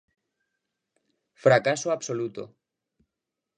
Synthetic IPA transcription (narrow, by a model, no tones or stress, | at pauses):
fɾakasoaβsolut̪o̰